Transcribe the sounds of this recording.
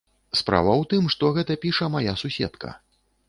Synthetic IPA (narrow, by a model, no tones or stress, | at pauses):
spɾa̰vɐwt̪ɨmʂt̪ɔɣɛt̪ɐpʲiʂɐmajasusʲɛ̰t̪kɐ̰